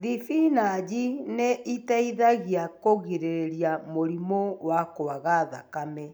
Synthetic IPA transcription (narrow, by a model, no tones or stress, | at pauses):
ðifinad͡ʑineʔitaiðaɣjakoɣiɾeɾeɾjamoɾimowakoaɣaða̰kamɛ